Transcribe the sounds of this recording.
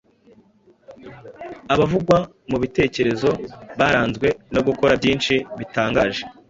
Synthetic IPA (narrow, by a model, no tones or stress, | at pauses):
aβavuɡwa | muβite̞ːce̞ɾe̞zo̞βaɾaːnzɡwe̞no̞ɡuko̞ɾabɟiːnt͡ʃiβitaːŋɡaːʒe̞